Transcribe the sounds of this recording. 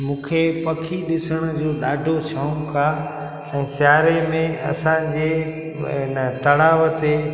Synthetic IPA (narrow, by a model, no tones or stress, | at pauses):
mũːkʰepɐkʰiɗɪsəɽ̃ʊd͡ʑoːɗaːɖʱosãːkaː | ɛ̃ːsjaːɾemẽɐ̰sãd͡ʑe | ɪnət̪ɐɽaːʋət̪e